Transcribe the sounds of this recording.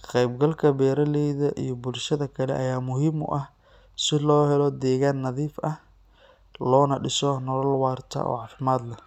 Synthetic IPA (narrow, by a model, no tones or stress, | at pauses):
qɛjbɡɐlkʰɐbɛːɾɐlɛjðɐʔijɞbʊlʃɐðɐkʰɐlɛ̰ʔɐjaːmʊɦiːmʊ̰ʔɐh | sɪlɔːhɛlɔd̪ɛːɣaːnːɐðiːfɐh | lɔːnɐɖɪsɔnɔlɔlwɑːrt̪ʰɐ̰ʔɔ̰ːʕɑːfɪmaːd̪lɐ